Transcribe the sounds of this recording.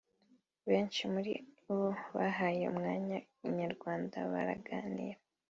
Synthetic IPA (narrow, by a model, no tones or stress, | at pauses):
βe̞ːnt͡ʃimuɾḭβoβaɦajeṵmŋaːɲa | iɲaɾɡwaːndaβa̰ɾa̰ɡaːnḭjea